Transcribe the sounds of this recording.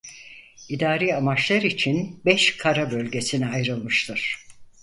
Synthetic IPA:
id̪aːɾijamat͡ʃlˠaɾit͡ʃʰinbɛʃkʰaɾabø̞lʲɟe̞siniajɾɯlˠmɯʃt̪ʰɯɾ̥

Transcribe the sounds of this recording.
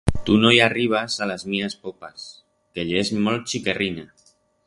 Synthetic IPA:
t̪unojariβ̞azalazmiaspopas | keʎezmol̚t͡ʃikerina

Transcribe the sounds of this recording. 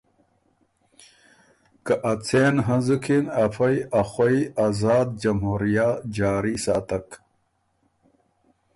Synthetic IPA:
kɐʔɐt͡sʰeːnɦɐ̃zukʰinɐfɐjɐxoiazaːd̪̚d͡ʑɐmɦuːɾijad͡ʑaːɾisaːt̪ɐk

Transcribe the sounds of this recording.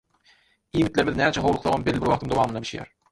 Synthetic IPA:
iːmit̪lʲe̞ɾmiðinæːmt͡ʃʰæɦowlˠuqθoʁombelːibiɾwɑq̚t̪ʰɯŋd̪owɑːmɯnd̪ɑbi̥ʃjæ̰ɾ

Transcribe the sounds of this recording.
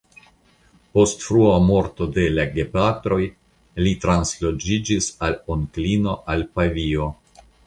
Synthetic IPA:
po̞stfɾuamo̞ɾto̞de̞laɡe̞patɾo̞j | litɾanslo̞d͡ʒid͡ʒisaloŋklino̞ʔalpavio̞

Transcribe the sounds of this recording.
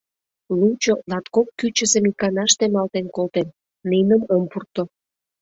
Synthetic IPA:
lut͡ɕolɑt̪kokːyt͡ɕəsemikɑnɑʃt̪emɑlt̪enkolt̪enː | inəməmpurt̪o

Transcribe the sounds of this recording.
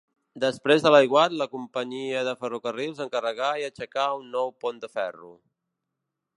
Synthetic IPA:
d̪əspɾezðələjɣwat̪ləkumpəɲiəðəfərukərilˠzəŋkərəɣaiət͡ʃəkaunːɔwpond̪əfɛrṵ

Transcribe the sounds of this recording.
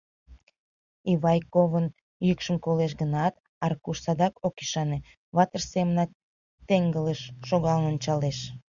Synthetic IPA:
iβɑjkovən | jykʃəmkoleʃ̬ɡənɑt̪ | ɑrkuʃsɑd̪ɑkokiʃɑne | βɑt̪ərsemənɑk̚ | t̪eŋɡələʃːoɣɑlənonʲt͡ɕɑleʃ

